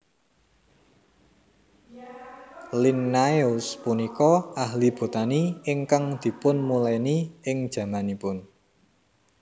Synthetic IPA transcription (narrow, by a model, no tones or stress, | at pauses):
linːajʊspunikɔaɦlib̥o̤t̪aniɪŋkaŋd̪̥i̤pʊnmulajniɪŋd̥ʒ̥ä̤manipʊn